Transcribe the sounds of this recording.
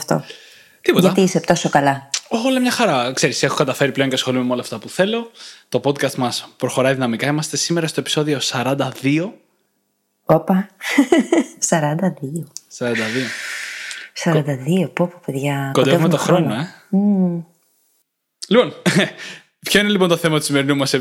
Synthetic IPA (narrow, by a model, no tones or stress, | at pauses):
ft̪o̞̰ | t̪ipotʝɐɐt̪iisept̪osokɐlɐoxolɐmɲɐxɐɾɐkse̞ɾisexokɐt̪ɐfe̞ɾiple̞o̞ɲcesxo̞lumemo̞lɐːft̪ɐpuθe̞lo̞t̪o̞po̞d̪kɐst̪mɐspɾo̞xoɾɐiðinɐmikɐimɐst̪e̞sime̞ɾɐst̪oepi̥so̞ðio̞sɐɾɐnd̪ɐðio̞ | opɐ | sɐɾɐnd̪ɐðiosɐɾɐnd̪ɐðio̞ | sɐɾɐnd̪ɐðiopopope̞ðʝɐkod̪eevmeet̪oxɾonoe | lipo̞n | pçoine̞lipont̪oθe̞mɐt̪usime̞ɾinumɐse